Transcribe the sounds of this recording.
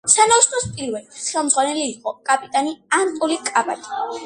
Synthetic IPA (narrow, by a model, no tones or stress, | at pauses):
sanast̪ʼɔspʼiɾvɛlit̪ʰsχɛlˠmd̪zʁwanɛliːqʼɔkʼapʼit̪ʼaniant̪ʼulikʼaba̰t̪ʰʼi̥